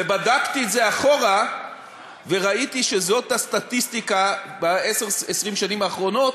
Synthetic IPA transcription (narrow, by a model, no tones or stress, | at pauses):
ebadakt̪ietzeaχo̞ʁa | ve̞ʁait̪iʃezo̞t̪hast̪at̪ist̪ika | baeseʁesʁimʃanimaːχʁo̞no̞t